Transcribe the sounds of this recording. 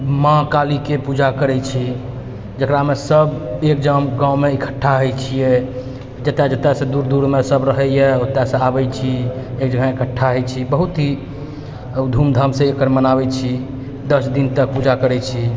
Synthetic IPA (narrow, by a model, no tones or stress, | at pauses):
mãkalikepud͡ʒakəɾɛt͡ʃʰi | d͡ʒəkɾamesəbek̚d͡ʒəmɡãwmeikʰə̥ʈʰːaɦəjt͡ʃʰijɛ | d͡ʒət̪ːad͡ʒət̪ːɛsẽd̪uɾd̪uɾmesəbɾəɦɛjɛot̪ːasə̃abɛt͡ʃʰiek̚d͡ʒəɡãikʰəʈʰːaɦəjt͡ʃʰibəɦut̪ɦi | d̪ʱumd̪ʱəmsẽekəɾmənabɛt͡ʃʰi | d̪əsd̪int̪ək̚pud͡ʒakəɾɛt͡ʃʰi